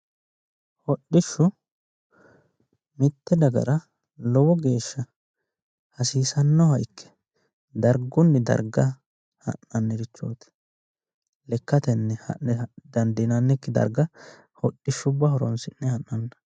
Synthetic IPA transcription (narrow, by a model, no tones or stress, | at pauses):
hɔɗɪʃːʊ | mɪt̪ːɛd̪ɐɡɐ̰ɾɐ | lɔwɔɡe̞ːʃːɐ | hɐsiːsɐnːɔhɐjkʰːɛ̥ | d̪ɐɾɡʊnːɪd̪ɐ̰ɾɡɐ | hɐ̰nːɐnːɛɾɪt͡ʃːo̰ːt̪ɛ̥ | lɛkːɐt̪ɛnːɛhɐ̰nɛd̪ɐnd̪ɛnɐnːɛkːɪd̪ɐ̰ɾɡɐ | hɔɗːɪʃːʊbɐhɔɾɔnsɪnːɛhɐnːɐnːɐ̥